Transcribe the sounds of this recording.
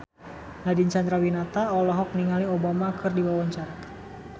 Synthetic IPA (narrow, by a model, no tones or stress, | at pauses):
nadint͡ʃand̪ɾawinat̪aɔlɔɦɔk̚niŋaliobamakʰɨrdiwawɔɲt͡ʃart̪